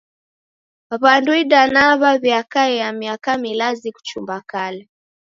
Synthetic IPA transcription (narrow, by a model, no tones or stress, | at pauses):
aβanduiɗanaβaβjakaɛamiakamilaziku̥t͡ʃumbakalɛ